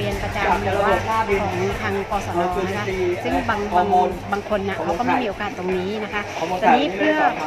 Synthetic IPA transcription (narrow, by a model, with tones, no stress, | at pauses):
i˧ənpa˧t͡ɕa˧˨mʰ˧˩waː˧˩˥kʰɔː˩˦ŋt̪ʰaː˧ŋkɔː˧˩sɔː˦˧ɔ˧˨˩na˦kʰa˥sɯ˥˩ŋbaː˧ŋkʰo˧baː˧ŋkʰo˧nːa˨˩kʰa˦wkɔː˥˩ma˥˩jmiː˧oː˧kaː˨˩t̪ːo˧ŋniː˦˥na˦˥kʰa˦˥ʔʰt͡ɕɔː˧niː˦˥pʰɯ˥˩˥ə